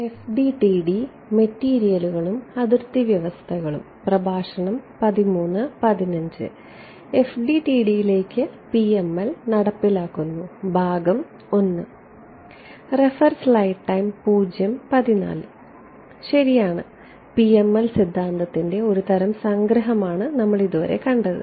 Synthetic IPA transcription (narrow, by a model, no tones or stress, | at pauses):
e̞fɖiʈiːɖi | metːiːɾijɐluɣɐɭumɐðirt̪ːiʋjɐʋɐst̪ʰɐɣɐɭṵmprɐbʱaːʂɐɳɐmpɐðimuːnːɨpɐðinɐɲd͡ʑɨ̰ | e̞fɖiʈiːɽijile̞ːkːɨpiemːɐlnɐɽɐpːilaːkːunːubʱaːɡɐm | o̞nːɨ | refɐrslɐjʈːɐjmpuːd͡ʑjɐmpɐðina̰ːlɨ | ɕɐɾijaːɳɨ̰ | piemːɐlsid̪ʱːaːnd̪ɐt̪ːinde̞o̞ɾut̪ɐɾɐmsɐŋɡɾɐɦɐmaːɳɨnɐmːɐɭiðuʋɐ̰ɾe̞̰kɐɳɖɐðɨ̰